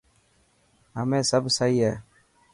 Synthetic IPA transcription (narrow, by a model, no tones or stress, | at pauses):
amɛsabsajjɛ